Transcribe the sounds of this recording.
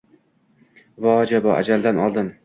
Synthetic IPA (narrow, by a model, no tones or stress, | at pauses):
vɒd͡ʒabɒʔa̰d͡ʒald̪anɒlˠd̪ɪm